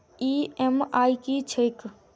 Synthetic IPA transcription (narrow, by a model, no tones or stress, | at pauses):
iemajkit͡ʃʰejk